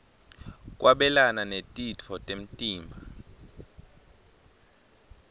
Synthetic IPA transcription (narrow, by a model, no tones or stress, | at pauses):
k̬ʼwʔaɓɛlananetʼitʰɔtʼem̩tʼiːmbʱa